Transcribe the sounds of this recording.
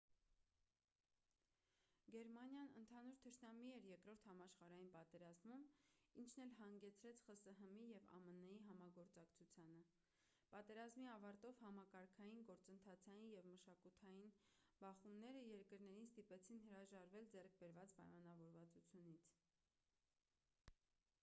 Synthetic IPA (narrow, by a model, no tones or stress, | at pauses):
ɡɛɾmɑnjɑnənt̪ʰɑnuɾt̪ʰəɾnɑmiɛɾjɛkɾɔɾt̪ʰhɑmɑʃχɑɾɑjinpɑt̪ɛɾɑzmumint͡ʃʰnɛlɦɑŋɡɛt͡sʰɾɛt͡sʰχəsəɦəmijɛvɑ̰mənəjiɦɑmɑɡɔɾt͡sɑkt͡sʰut͡sʰjɑnə | pɑt̪ɛɾɑzmiɑvɑɾt̪ɔvhɑmɑkɑɾkʰɑjinɡɔɾt͡sənt̪ʰɑt͡sʰɑjinjɛvməʃɑkut̪ʰɑjin | bɑχumnɛɾəjɛɾkəɾn̪ɛɾinst̪ipɛt͡sʰinhəɾɑʒɑɾvɛld͡zɛrk̚ʰbɛɾvɑt͡spɑ̰jmɑn̪ɑvɔɾvɑt͡sut͡sʰjunit͡sʰ